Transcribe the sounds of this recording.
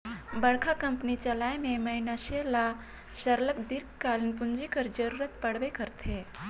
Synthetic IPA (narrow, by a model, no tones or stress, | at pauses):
bɐɽkʰakɐ̃mpnit͡ʃɐlaːemẽmɐɦɪnaʃela | ʃəɾlək̚d̪ɪɾkkaːlinpʊnd͡ʒikəɾd͡ʒɐɾuːɾət̪pɐɽ̤ʋekɐɾt̪ʰe